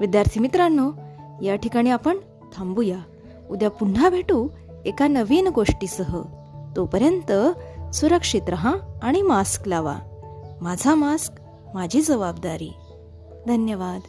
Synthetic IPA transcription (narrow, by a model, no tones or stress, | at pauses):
ʋid̪jaɾt̪ʰimit̪ɾanːojaʈʰikaɽ̃iapəɳ | t̪ʰambuja | ud̪japuɳ̤ːabʱeʈu | ekanəʋiːnɡoʂʈiːsəɦə | t̪opəɾjənt̪əsuɾəkʂit̪ɾəɦãːɽ̃imasklaʋa̰mad͡zʱamask | mad͡ʑʱiːd͡zəʋabd̪aɾḭː | d̪ʱənjəʋad̪